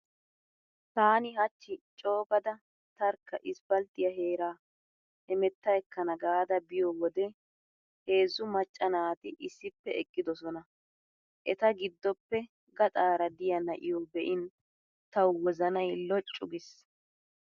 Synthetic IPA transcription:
t̪aːnɪɦɐt͡ʃːɪt͡ʃʼo̞ːbɐd̪ɐ | t̪ɐɾkːɐʔɪsbɐlt̪ʼːɪjɐɦe̞ːɾaː | hɛmɛt̪ːɐjɛkːɐnɐɡaːd̪ɐbɪjɔwɔd̪ɛ | he̞ːzːʊmɐt͡ʃʼːɐnaːt̪ɪʔɪsːɪpːɛɛkʼːɪd̪ɔsɔnɐ | ʔɛt̪ɐɡɪd̪ːɔpːɛ | ɡɐt̪ʼaːɾɐd̪ɪjɐnɐʔɪjɔbɛʔɪn | t̪ɐwwɔzɐnɐjlɔt͡ʃʼːʊɡɪs

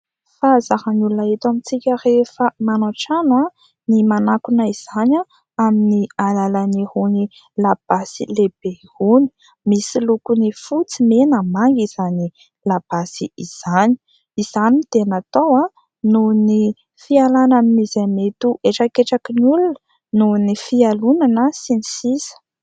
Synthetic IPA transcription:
fazahanulunaet̪amit͡sikʲərefəmanaʈ͡ʂanwa | nimanakunəiz̥ana | aminialalanihuni | lab̥asileb̥ehuni̥ | misilukunifut͡simenəmaŋɡiz̥ani | lab̥asiiz̥ani̥ | iz̥anit̪enat̪owa | nuni | fialanaminizamet̪uʔeʈ͡ʂakeʈ͡ʂakinulunə̥ | nunifialunanəsinisizə̥

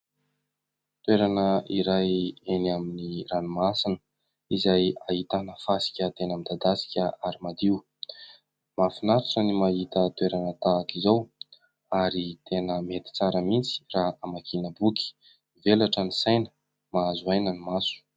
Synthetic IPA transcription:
t̪weɾanəiɾajenaminiranimasinə̥ | izajait̪anəfasi̥kʲət̪enamid̪ad̪asi̥kʲəaɾimad̪iw | mafinaɾuʈ͡ʂənimaɦit̪ət̪uweɾanət̪aːkizaw | aɾit̪ʰenəmet̪i̥t͡saɾəmint͡si̥raamakʰinəbuki̥ | velaʈ͡ʂənisajnə̥ | maazuajnənimasu̥

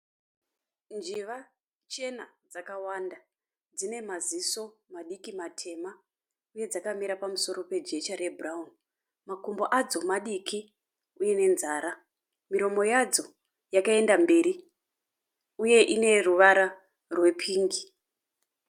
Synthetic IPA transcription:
nd͡ʒiʋa | t͡ʃe̞nad͡zakawanda | d͡zine̞maziso̞maɗikimatʰe̞ma | uje̞d͡zakamiɾapamuso̞ɾo̞pe̞d͡ʒe̞t͡ʃaɾe̞bʱuraun | makumbo̞ʔad͡zo̞maɗikʰi | ujene̞nzaːɾa | miɾo̞mo̞jad͡zo̞ | jakae̞ndambe̞ːɾi | uje̞ʔine̞ruʋaɾa | rwe̞pʰiːŋɡi

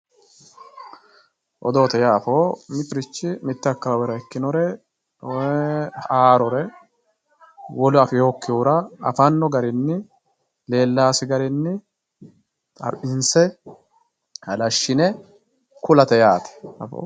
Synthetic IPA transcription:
ʔɔd̪o̞ːt̪ɛjaːfoːmɪt̪ɪɾɪt͡ʃːɪmɪt̪ːɪɐkːɐwɐwɛɾɐɛkːɪnɔɾɛ | aːɾɔɾɛ | wɔlʊɐfɛjo̞ːkːɪjuːɾɐɐfɐnːɔɡɐɾɪnːɪ | le̞ːlːaːsɪɡɐɾɪnːɪ | tʼɐ̰ɾɪnsɛ | hɐlɐʃːɪnɛ | kʊlɐt̪ɛjaːt̪ɛ̥ɐ̰fo̰

